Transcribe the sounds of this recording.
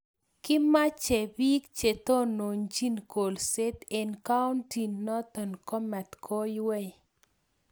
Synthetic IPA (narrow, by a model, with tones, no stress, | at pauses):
kɪ˦ma˦t͡ʃe˨bi˦kt͡ʃe˨t̪o˦no˨ɲd͡ʒi˦nko˨lse˦t̪e˨nka˦ʊ˦nti˨nːɔ˦t̪ɔ˨nkɔ˦mɛ˨t̪kʰo˦jwɛ˦j